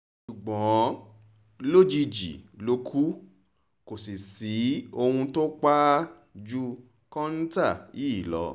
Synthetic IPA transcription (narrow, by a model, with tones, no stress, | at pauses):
ʃu˨ɡ͡bɔ̃˨˦ | lo˦d͡ʒi˧d͡ʒḭ˨lo˧kʰu˦ | ko˨si˨si˨˦o˧hũ˧to˦k͡pa˦ | d͡ʒu˦ | kɔ̃˦n̩˦ta˦˨i˦˨lɔ̰˨˧˦